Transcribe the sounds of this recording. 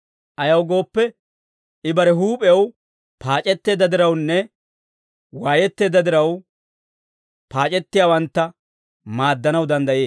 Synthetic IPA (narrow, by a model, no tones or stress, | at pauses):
ʔɐjɐwɡo̞ːpːɛ | ɪbɐɾɛɦuːpʼɛw | pʰaːt͡ʃʼɛt̪ːe̞ːd̪ːɐd̪ɪɾɐwnːɛ | waːjɛt̪ːe̞ːd̪ɐd̪ɪɾɐw | paːt͡ʃʼɛt̪ːɪjaːwɐnt̪ːɐ | maːd̪ːɐnɐwd̪ɐnd̪ɐjeː